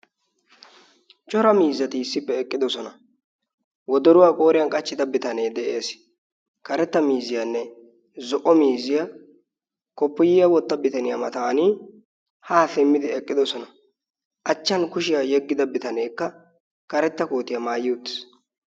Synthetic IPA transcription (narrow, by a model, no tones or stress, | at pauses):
t͡ʃʼɔɾɐmiːzːɐt̪ɪɪsːɪpːɛːkʼːɪd̪ɔsɔnɐ | wɔd̪ɔɾʊwaːkʼo̞ːɾɪjɐnkʼɐt͡ʃːɪd̪ɐbɪt̪ɐne̞ːd̪ɛʔe̞ːs | kɐɾɛt̪ːɐmiːzːɪjanːɛ | zɔʔɔmiːzɪjɐ | kɔpːɔjɪjɐwɔt̪ːɐbɪt̪ɐnɪjɐmɐt̪aːni | haːsɛmːɪd̪ɪɛkʼːɪd̪ɔsɔnɐ | ʔɐt͡ʃːɐnkʊʃɪjajɛɡːɪd̪ɐbɪt̪ɐneːkːɐ | kɐɾɛt̪ːɐko̞ːt̪ːɪjɐmaːjɪʊt̪ːɪ̥s